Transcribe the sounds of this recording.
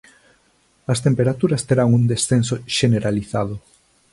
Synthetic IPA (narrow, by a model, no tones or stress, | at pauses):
ɐst̪empeɾat̪uɾɐst̪eɾaŋund̪esθensoʃeneɾaliθað̞ʊ